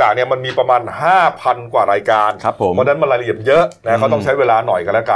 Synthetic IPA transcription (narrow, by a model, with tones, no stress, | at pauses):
t͡ɕaː˨˩k̚ni˥˩ɐma˧nmiː˧pɾa˧maː˧nhaː˥˩pʰa˧nkwaː˨˩ɾaː˧jkaː˧nʰ˦pʰmʰɔ˦˥˧naː˦˥nma˧la˧jli˨˩əmjɤ˦˥ʔna˦˥kʰa˦˥˩t̪ɔ˥˩ŋt͡ɕʰa˦˥jweː˧laː˧nɔ˨˩jka˧nlɛ˦˥ka˨˧˩